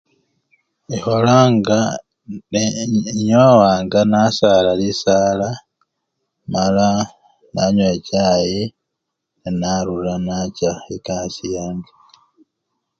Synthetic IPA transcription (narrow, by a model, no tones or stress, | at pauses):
iholaŋɡa | ɲowaːŋɡanasalalisala | mala | naɲwecaːji | nenaɾulanacaikasijaːŋɡe